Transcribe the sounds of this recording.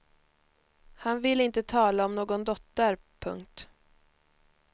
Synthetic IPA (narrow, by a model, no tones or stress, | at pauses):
hanvɪlɪnt̪ət̪ʰɑːlaɔmnoːɡɔnd̪ɔt̪ːəɾ | pʰɵ̰ŋk̚t̪